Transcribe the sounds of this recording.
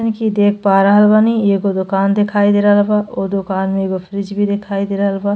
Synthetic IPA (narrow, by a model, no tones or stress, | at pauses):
nkid̪ekʰpaɾaɦɐlbanieɡod̪okaːnd̪ekʰaːjd̪eɾalbaʔod̪okanmeɡofʰɾid͡ʒbid̪ekʰaːjd̪eɾɦlba